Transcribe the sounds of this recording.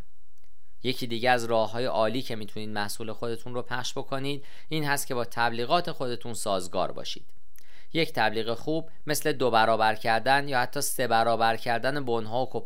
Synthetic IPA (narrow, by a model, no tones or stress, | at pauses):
je̞cʰiːd̪iːɟeæzrɒːhːɒːje̞ʔɒːliːcʰe̞miːt̪ʰuniːd̪̚mæhsuːle̞xo̞d̪e̞t̪ʰunropʰæχʃb̥o̞kʰo̞niːd̪̚ | iːnhæst̪̚cʰebɒːt̪ʰæbliːɣɒːt̪ʰe̞xo̞d̪e̞t̪ʰunsɒːzɡɒ̰ːɾbɒ̰ːʃḭːd̪̥ | je̞ct̪ʰæbliːɣe̞xuːb | me̞sle̞d̪obæɾɒːbæɾcʰæɾd̪ænjɒːhæt̪ʰːɒːse̞bæɾɒːbæɾcʰæɾd̪æne̞bonɦɒːokʰop